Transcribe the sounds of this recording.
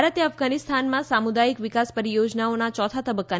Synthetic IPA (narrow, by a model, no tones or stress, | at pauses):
ɾət̪jəəfɡanist̪ʰanmãsamud̪ajikʋikaspəɾijod͡ʒnaonat͡ʃɔt̪ʰat̪əbəkːa